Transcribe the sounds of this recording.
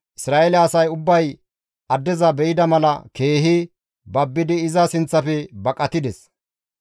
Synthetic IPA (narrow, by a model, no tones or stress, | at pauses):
ʔɪsɾaːelɐɐsɐjʊbːɐj | ɐd̪ːɛzɐbɛʔɪd̪ɐmɐlɐke̞ːɦɪ | bɐbːɪd̪ɪːzɐsɪnt͡sːɐfɛbɐkʼɐt̪ɪd̪ɛs